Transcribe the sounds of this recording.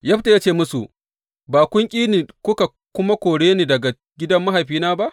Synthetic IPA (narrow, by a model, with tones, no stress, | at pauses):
jɐ˦ɸta˨jaː˦t͡ʃeː˦˨mʊ˦sṵ˨ | baː˨kʷʊ˦ŋkʲʼiː˦niː˨kʷʊ˦ka˨ | kʷʊ˦ma˦kʷoː˨ɽeː˦niː˨dɐ˨ɡa˨ | ɡʲɪ˦dɐ˦mːa˦ɦa˨jɸiː˦naː˦ba˦ʔ